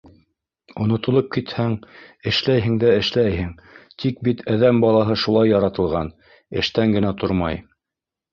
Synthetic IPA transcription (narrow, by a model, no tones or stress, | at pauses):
ŏnŏt̪ŏlˠop̚kit̪hæŋɘ̆ʃlæjɦɘ̆ŋd̪æɘ̆ʃlæjhɘŋ | t̪ʰik̚bit̪ʰæðæmbɑlˠɑɦɤʃulˠɑjːɑɾɑt̪ɤ̆lˠʁɑn | ɘ̆ʃt̪æŋɡɘ̆næt̪oɾmɑ̰j